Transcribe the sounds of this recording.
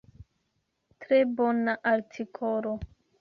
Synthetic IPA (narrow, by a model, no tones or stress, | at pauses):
tɾe̞bonaʔaɾtʰikʰoɾo